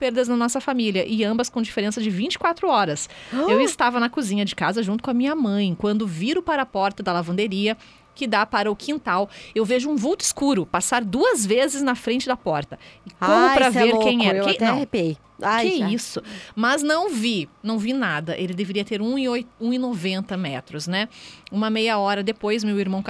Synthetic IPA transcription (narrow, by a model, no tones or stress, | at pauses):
peɾd̪ɐznɐnɔsɐfamiljɐʔɪɐ̃mbɐskõd͡ʒifeɾẽsɐd͡ʒɪvĩnt͡ʃɪ̥kwat̪ɾʊɔɾɐsewɪst̪avɐnɐkuzĩɲɐd͡ʒɪkazɐʒũt̪ʊ̥kõɐmĩɲɐmɐ̃j̃kwɐ̃nd̪ʊviɾʊpaɾɐːpɔɾt̪ɐd̪ɐlavɐ̃nd̪eɾiɐ | kɪd̪apaɾɐʊkʰĩnt̪awewveʒʊũvuwt̪ʊiskuɾʊpasaɾd̪uɐzvezɪznɐfɾẽnt͡ʃɪd̪ɐpɔɾt̪ɐɪkõmʊpɾɐveɾkẽj̃ewk̪ɐ̃ẽpe | akɪɛisʊmɐznɐ̃w̃vinɐ̃w̃vinad̪ɐʔelɪd̪eveɾiɐt̪eɾũɪojũɪnovẽnt̪ɐmɛt̪ɾʊsnɛũmɐmejɐɔɾɐd̪epojzmewiɾmɐ̃w̃k